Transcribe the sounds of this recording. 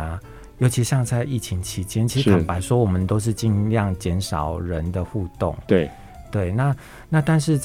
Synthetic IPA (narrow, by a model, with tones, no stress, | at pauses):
jo˧˥t͡ɕʰi˧˥ɕjɑ˥˧ŋt͡sʰa˥˧ɪi˥˩t͡ɕʰi˧˥ŋt͡ɕʰi˨˦˥t͡ɕjɛ˦nt͡ɕʰi˧˥kʰa˨˩npa˧˥ɪʂwɔ˥wɔ˨˩mə˨nt̪o˥ʊʂ̬ɻ̩˥˧t͡ɕi˥˧nljɑ˥˨ŋt͡ɕjɛ˨˥nʂɑ˨˩ʊɻə˨˦nd̪ə˨xu˥˧t̪ɔ̰˥˨˩ŋ˥˩ | t̪we˥˩ɪna˥˨ | na˥˨t̪a˥˧nʂɻ̩˥˧t͡s